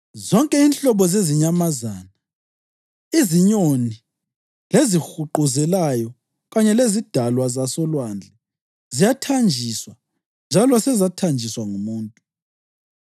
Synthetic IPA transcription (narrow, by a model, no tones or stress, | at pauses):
zɔŋkʼɛinɬʼɔβɔzeziɲamazana | iziɲoni | lezixuǃuzɛlajɔ | ɣaɲɛlezid̥ʱalwazasɔlwand͡ɮʱɛ | zijatʰand͡ʒʱiswa | nd͡ʒʱalɔsɛzatʰand͡ʒʱiswaŋumuːntʼu